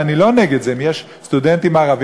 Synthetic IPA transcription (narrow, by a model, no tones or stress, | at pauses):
anilo̞neɡed̪zemjeʃ | st̪ud̪ent̪imaːʁav